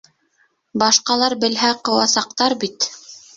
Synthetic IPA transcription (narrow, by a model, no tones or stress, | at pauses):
bɑʃqɑlˠɑɾbɘ̆lɦæqɤ̆wɑsɑqt̪ɑɾbit̪